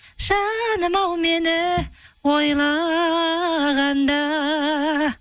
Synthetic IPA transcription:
ʒ̥ɑnəmɑwme̞nɪwojlˠɑ | ʁɑnd̪ɑ

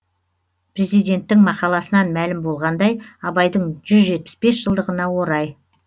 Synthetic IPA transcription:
pre̞zijd̪e̞nt̪ːɪŋmɑqɑlˠɑsənɑnmælɪmbo̞lˠʁɑnd̪ɑjɑbɑjd̪əɴʒʏzʒe̞t̪̚pɪ̥spe̞sʒ̥əlˠd̪əʁənɑwo̞ɾɑj

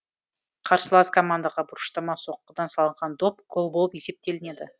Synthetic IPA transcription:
qʰɑɾsəlˠɑskʰomand̪aʁɑbʊɾəʃt̪ɑmɑso̞qːəd̪ɑnsɑlˠəɴʁɑnd̪o̞pqʰolˠbolˠəpje̞se̞p̚t̪e̞lɪne̞d̪ɪ

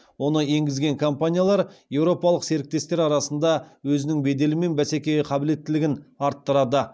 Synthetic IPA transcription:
wo̞nəe̞ŋɡʲɪzɡʲe̞ŋkʰo̞mpanʲijalˠɑɾje̞wɾo̞pɑlˠəqse̞ɾɪk̚t̪e̞st̪e̞ɾɑɾɑsənd̪ɑwɵzɪnɪŋbe̞d̪e̞lɪme̞nbæse̞kʲe̞jqʰɑbɪle̞t̪ːɪlɪɡʲɪnɑɾt̪ːəɾɑd̪ə

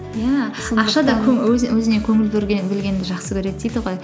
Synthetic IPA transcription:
jæɑqʃɑd̪ɑkʲʰwɵzwɵzɪne̞kʲʰɵŋɪlbeɾʲebɪlɡʲe̞nd̪ɪʒɑqsəkʲeɾe̞t̪̚d̪ejd̪ɪʁo̞j

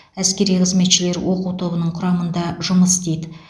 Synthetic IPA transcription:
æskʲe̞ɾijqʰəzme̞t̪ʃɪle̞ɾwo̞quwt̪ʰo̞bənəɴqʰʊɾɑmənd̪ɑʒʊməst̪ejd̪ɪ

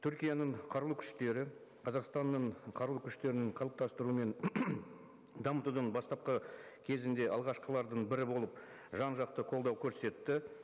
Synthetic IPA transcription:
t̪ʰʏɾkʲijanəɴqʰɑɾlˠukʲʰʏ̥ʃt̪e̞ɾɪ | qʰɑzɑqst̪ɑnːəɴqʰɑɾlˠukʲʰʏʃt̪e̞ɾɪnɪɴqʰɑlˠəp̚t̪ɑst̪əɾume̞n | d̪ɑmət̪ud̪ənbɑst̪ɑp̚qəkʲʰe̞zɪnd̪e̞ʔɑ̰lˠʁɑʃqəlˠɑɾd̪əɴbɪɾɪbo̞lˠəp | ʒɑnʒɑqt̪əqʰolˠd̪ɑwkʲʰɵɾse̞t̪ːɪ

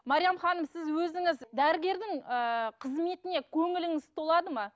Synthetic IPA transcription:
mɑɾijɑmχɑnəmsɪzwɵzɪŋɪzd̪æɾɪɡʲe̞ɾd̪ɪŋəqʰəzme̞t̪ɪne̞kʲʰɵŋɪlɪŋɪt̪olˠɑd̪əmɑ

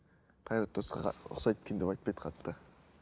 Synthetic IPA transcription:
qʰɑjɾɑt̪̚d̪̥o̞sqɑ̰ʊ̰χsɑj̪et̪kʲend̪e̞pɑjt̪pejd̪ə̥qʰɑt̪ːə

